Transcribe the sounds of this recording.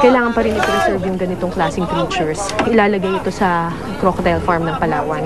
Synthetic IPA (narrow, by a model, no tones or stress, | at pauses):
kɐjlaːŋɐnpɐɾɪnmɐɡ̚pɾɛsɛɹvjʊŋɡɐnɪt̪o̞ŋklaːsɪŋpɾiːt͡ʃʊɹsɪlaːlɐɡajɪt̪o̞sɐ | kɾokt̪ɛlfaɹmnɐŋpɐlaːwɐn